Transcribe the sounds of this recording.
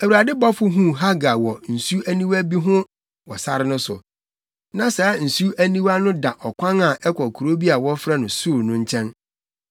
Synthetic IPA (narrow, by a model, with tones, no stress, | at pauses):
æ˨wu˨ɾa˨dɪ˦bɔ˦fʊ˦ɦũ˦ɦa˦ɡa˨wɔ˨n̩˨su˦æ˦nĩ˦wæ˦bi˦ɦʊ̃˦ | wɔ˨sa˦ɾɪ˦nʊ̃˦sʊ˨ | nã˨sɛ˨˦n̩˨su˦ʔæ˦nĩ˦wa˦nʊ̃˦da˨ʔɔ˨kʷʰã˦na˨ʔɛ˦kʷʰɔ˨kʰu˨ɾo˦bi˦a˨wɔ˦fɾa˦nʊ̃˨su˦˨ɾnʊ̃˦ɲ̩˦t͡ɕʰɛ̃˦n